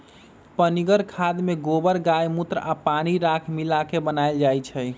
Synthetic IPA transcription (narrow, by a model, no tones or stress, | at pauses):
pəniɡəɾkʰad̪meɡobəɾɡajmut̪ɾapaniɾakʰmilakebənaɪld͡ʒajt͡ʃʰəj